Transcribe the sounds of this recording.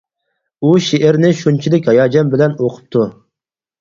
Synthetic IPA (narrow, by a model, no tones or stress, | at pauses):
uʃeʔɪɾnɪʃunt͡ʃʰid̪ɪkʲhɑjɑːd͡ʒɑnbɪlɛnoqʰʊ̥p̚t̪ʰu